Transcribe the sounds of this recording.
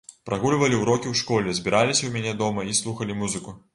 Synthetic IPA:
pɾʔaɣulʲvɐlʲiwɾɔkʲiwʂkɔlʲɛzʲbʲiɾalʲisʲɐwmʲanʲɛd̪ɔmɐislˠuxɐlʲimuzɨku

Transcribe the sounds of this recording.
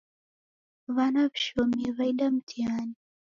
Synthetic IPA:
βanaβiʃɔmivaiɗam̩tʰiani

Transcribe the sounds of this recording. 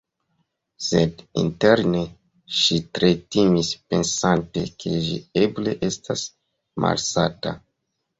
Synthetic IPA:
se̞dḭnteɾne̞ | ʃitɾetimispe̞nsante̞̰kʰeʒḭe̞ble̞ʔe̞stas | ma̰lsata

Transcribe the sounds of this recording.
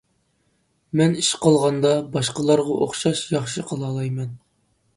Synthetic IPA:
mɛniʃqʰɑlˠʁɑnd̪ɑbɑʃqɑlˠɑɾʁɑʔo̰χʃɑʃjɑχʃɨqʰəlˠɑːlˠɑjmɛn

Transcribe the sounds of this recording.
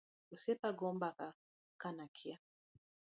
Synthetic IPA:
usɛtaɡɔmbaka | kanakʰia

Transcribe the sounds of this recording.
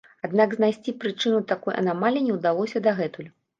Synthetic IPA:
ad̪naɡznajsʲt͡sʲipɾɨt͡ʂɨnut̪akɔjʔɐ̰namalʲinʲɛwd̪alˠɔsʲɐd̪ɐɣɛt̪ulʲu

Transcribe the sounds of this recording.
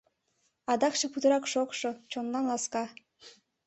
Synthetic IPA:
ɑd̪ɑkʃĕput̪əɾɑkʃokʃot͡ɕonlɑnlɑskɑ

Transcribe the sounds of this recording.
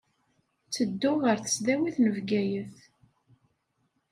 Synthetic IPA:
t͡sːəd̪ːʊʁəɾθə̥sðæwiθnəvɡæjəθ

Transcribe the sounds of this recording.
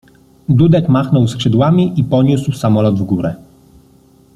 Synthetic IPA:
d̪ud̪ɛkmaxnɔwskʂɘd̪wamʲiʔipɔɲuswsamɔlɔd̪vɡuɾɛ

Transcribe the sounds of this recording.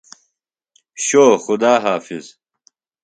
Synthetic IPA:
ɕoːxʊd̪aːɦaːfiz̥

